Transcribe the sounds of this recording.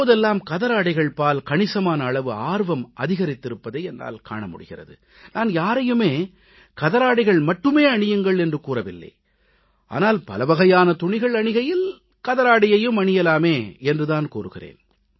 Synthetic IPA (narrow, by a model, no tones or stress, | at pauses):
poːðɛlːaːmkɐðɐɾaːɽɪɣɐɭpaːlkɐɳɪsɐmaːnɐːɭɐʋɯaːɾʋɐmʔɐðɪɣɐɾɪt̪ːɪɾɯpːɐðɐːɛnːa̰ːlka̰ːɳɐmʊ̰ɽɪɣɪrɐ̰ðɯ | naːnjaːɾɐjɯmeː | kɐðɐɾaːɽɪɣɐɭmɐʈːɯmeːɐɳɪjɯŋɡɐɭɛndrɯkuːrɐʋɪlːɐ̰ɪ | ʔa̰ːnaːlpɐ̰lɐʋɐɣɐjaːnɐt̪ʊɳɪɣɐɭɐɳɪɣɐjɪl | kɐðɐɾaːɽɪjɐjɯmɐɳɪjɐlaːmeːɛndrɯðaːnkuːrɯɣɪrḛːn